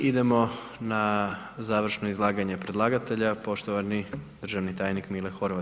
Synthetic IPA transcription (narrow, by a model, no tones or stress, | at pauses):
id̪e̞mo̞ | na | zaːʋr̩ʃnoizlˠaːɡaɲe̞pɾe̞d̪lˠaːɡat̪e̞ʎapo̞ʃt̪oʋanid̪r̩ʒaʋnit̪aːjnikmilexo̞ɾʋat̪